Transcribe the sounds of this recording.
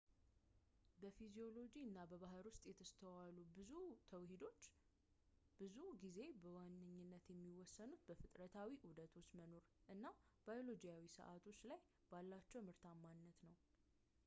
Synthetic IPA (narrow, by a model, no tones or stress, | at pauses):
bəfizijo̞lo̞d͡ʒiɨnːabəβaɦəɾwʊst̪ʼjɛt̪ʰəst̪ʰəwalubɨut̪ʰəwhid̪o | bɨzuɡize̞bəwanːɨɲːɨnːət̪jɛmːiwɔsːənut̪bəfɨt̪ʼɾət̪ʰawiʔud̪ət̪ʰo̞t͡ʃːməno̞ɾʔɨnːabajo̞lo̞d͡ʒijawisə̰ʔat̪ʰo̞t͡ʃːlaj | b̥alːat͡ʃːɛwmɨɾt̪ʰamːanːət̪nəw